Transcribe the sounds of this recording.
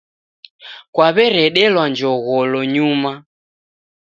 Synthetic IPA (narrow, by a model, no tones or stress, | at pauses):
kwaβɛɾɛɗɛlwand͡ʒɔɣɔlɔɲuma